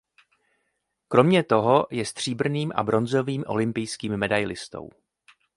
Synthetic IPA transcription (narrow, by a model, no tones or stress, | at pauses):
kɾo̞mɲɛt̪o̞ɦo̞jɛst̪r̝̥iːbr̩niːmʔa̰bɾo̞nzo̞viːmʔo̞̰lɪmpɪjskiːmːɛdajlɪst̪o̞̰w